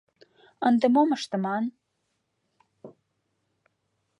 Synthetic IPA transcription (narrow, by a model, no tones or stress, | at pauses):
ənd̪əmoməʃt̪ə̆mɑn